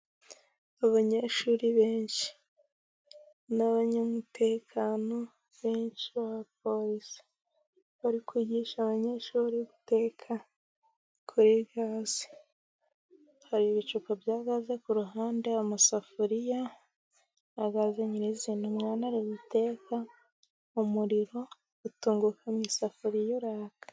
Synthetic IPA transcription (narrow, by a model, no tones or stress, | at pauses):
aβaɲe̞ʃuːɾiβeːnʃi̥ | naβaɲamute̞ːkʰaːno̞ | βeːnʃiβaβap̚o̞ɾisi̥ | βaɾikwiːɟiʃaβaɲe̞ʃuːɾiβute̞kʰa | kʰuɾiɡaːzi̥ | haɾiβit͡ʃukabjaːɡazekuɾuɦaːndeomusafuɾija | aɡazeɲiɾiziːnumŋaːnaɾiβute̞kʰa | umuɾiɾo̞ | utuːŋɡukʰamɲisafuɾijoɾaːkḁ